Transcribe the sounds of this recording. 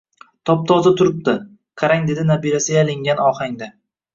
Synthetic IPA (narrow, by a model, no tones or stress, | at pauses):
t̪ʰɒp̚t̪ʰɒzat̪ʰʊɾɪp̚d̪ɪ | qʰɑɾaŋd̪e̞d̪ɪnabiɾasɪɡʲalɪŋɡʲanɒhaŋd̪a